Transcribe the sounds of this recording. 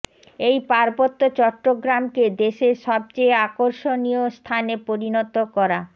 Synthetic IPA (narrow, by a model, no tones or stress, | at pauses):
ejpaɾbot̪ːot͡ɕɔʈːoɡɾamked̪eʃeɾʃɔb̚t͡ɕejakoɾʃoniost̪ʰanepoɾinot̪okɔɾa